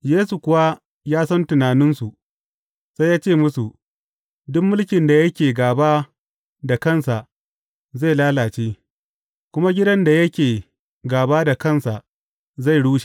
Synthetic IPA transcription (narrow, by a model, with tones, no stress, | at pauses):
jeː˦su˨kʷʊ˨wa˦ | jaː˦sɐ˦ntʊ˨naː˨nɪ˦nsu˨ | se˦jaː˦t͡ʃeː˦˨mʊ˦su˨ | dʊ˦mːʊ˦lkʲɪ˨nda˨jɐ˦kʲeː˨ɡaː˨baː˦ | da˨kɐ˦˨nsa˨ʔ | za˦˨laː˦laː˨t͡ʃeː˦ | kʷʊ˦ma˦ɡʲɪ˦dɐ˦nda˨jɐ˦kʲeː˨ | ɡaː˨baː˦da˨kɐ˦˨nsa˨ʔ | za˦˨jɽuː˦ʃe̥˨